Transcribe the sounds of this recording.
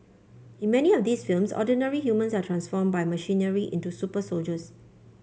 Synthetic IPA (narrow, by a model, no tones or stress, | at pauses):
ĩnmɛniɔfd̪iːsfilmsɔ̰dənəɹihjumə̃nsatʰɹãnsfɔmbajməʃĩnəɹiʔḭ̃ntusupəsold͡ʒəs